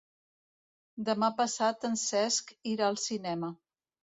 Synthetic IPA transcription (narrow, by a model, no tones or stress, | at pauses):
d̪əmapəsat̪ənsɛskiɾaəlˠsinɛmə